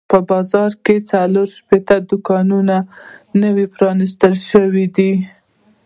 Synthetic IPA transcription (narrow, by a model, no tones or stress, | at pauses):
pəbɑzɑɾket͡saloɾʃpet̪ad̪ʊkɑnunanəwipɾɑnist̪əlʃəwid̪i